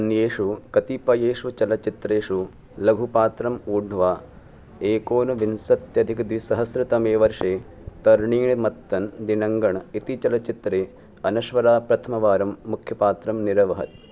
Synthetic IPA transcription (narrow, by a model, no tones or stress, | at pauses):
ɐnjeːʂukɐt̪ipɐjeːʂut͡ʃɐlɐt͡ʃit̪ɾeːʂu | lɐɡʱupaːt̪ɾɐmuːɖɳuʋaː | eːkoːnɐʋinsɐt̪jɐd̪ʱikd̪ʋisɐɦɐsɾɨt̪ɐmeːʋɐɾʂeː | t̪ɐɾɳiːɳimɐt̪ːɐnd̪inɐŋɡɐɳit̪it͡ʃɐlɐt͡ʃit̪ɾeː | ɐnɐʃʋɐɾaːpɾɐt̪ʰɐmɐʋaːɾɐmːukʰjɐpaːt̪ɾɐmniɾɐʋɐɦɐ̰t̪̚